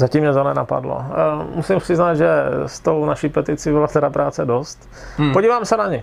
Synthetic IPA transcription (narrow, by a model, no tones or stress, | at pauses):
zacimɲɛzonɛnapa̰dlo̰musɪmʂɪznaːd̪ʒɛst̪ownaʃiːpɛt̪ɪt͡sibɪlat̪ɛɾapɾʔaːt͡sɛdost̪ | poɟiːvaːmsɛnaɲɪ